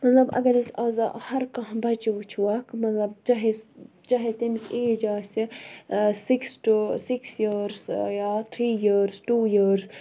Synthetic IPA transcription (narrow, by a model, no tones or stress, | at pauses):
mɐt̪lɐbɐ̰ɡɐlsɐzhɐɾkɐɦbɐt͡ʃiʋut͡ʃʰʋaːkmɐt̪lɐbt͡ʃɐɦes | t͡ʃɐɦet̪imseːd͡ʒaːsi | siksʈusiksjiɾsjaːt̪ʰɾiːjiɾsʈuːjiɾz